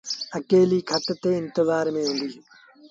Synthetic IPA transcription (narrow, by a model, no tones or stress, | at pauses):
əkeːliːkʰət̪t̪eːɪ̃nt̪ɪzaːɾmẽːɦũːnd̪iː